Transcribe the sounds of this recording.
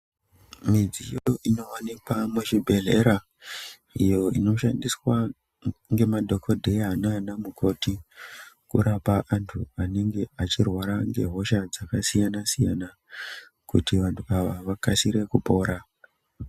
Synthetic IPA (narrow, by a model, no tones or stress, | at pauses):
mid͡zijoino̞anikwameʃibʱe̞ɮe̞ɾa | ijo̞ino̞ʃandiswa | ŋɡe̞madʱo̞kʰo̞dʱejananamukʰo̞ti | kṵɾapaʔantʰuane̞ŋɡe̞at͡ʃirwaɾaŋɡe̞ɦo̞ʃad͡zakasijanasijana | kutiʋantʰuaʋaʋakasiɾe̞kupo̞ːɾa